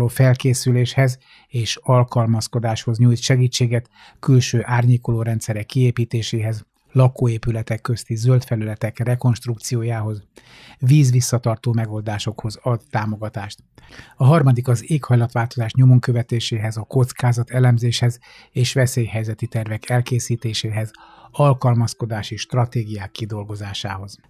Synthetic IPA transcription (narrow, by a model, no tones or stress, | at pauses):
oːfɛlkeːsyleːʃhɛz | eːʃɒlkɒlmɒsko̞d̪aːʃho̞zɲujt̪ʃɛɡiːt͡ʃːeːɡɛt̪ | kylʃøːʔaːrɲeːkoloːɾɛnt̪sɛɾɛkːieːpiːt̪eːʃeːɦɛz | lɒkoːeːpylɛt̪ɛkːø̞st̪izølt̪fɛlylɛt̪ɛkrɛko̞nʃt̪ruk̚t̪sijoːjaːɦo̞z | viːzʋisːɒt̪ɒrt̪oːmɛɡo̞ld̪aːʃo̞kho̞zɒd̪ːaːmo̞ɡɒt̪aːʃt̪ɒɦɒrmɒd̪ikɒzeːkhɒjlɒt̪ʋaːlt̪o̞zaːʃɲo̞mo̞ŋkøvɛt̪eːʃeːɦɛzɒko̞t̪skaːzɒt̪ɛlɛmzeːʃhɛz | eːʃʋɛseːjhɛjzɛt̪it̪ɛrvɛkʰɛlkeːsiːt̪eːʃeːɦɛz | ɒlkɒlmɒsko̞d̪aːʃiʃt̪rɒt̪eːɡijaːkːid̪o̞lɡo̞zaːʃaːɦo̞z̥